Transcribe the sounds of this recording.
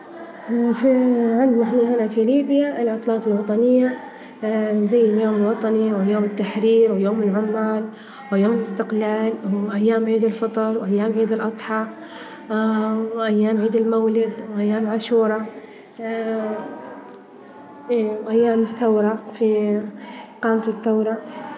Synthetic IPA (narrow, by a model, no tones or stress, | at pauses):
fiʕɪnd̪naħniːhanafiliːbjaʔɪlʕʊt̪ˤlɑːt̪ɪlwɑt̪ˤɑnɪjːa | zajːɪljoːmɪlwɑt̪ˤɑniwjoːmɪt̪ːaħɾiːɾwɪjoːmɪlʕʊmːaːl | wɪjoːmɪlɪst̪ɪqlaːlʔajːaːmʕiːd̪ɪlfɑt̪ˤɑɾˤwʔajːaːmʕiːd̪ɪlʔɑt̪ˤħɑ | wʔajːaːmʕiːd̪ɪlmawlɪd̪wʔajːaːmɪlʕaʃuːɾˤɑ | ʔeːwʔajːaːmɪθːawɾˤɑfi | qɑːmat̪ɪt̪ːawɾˤɑ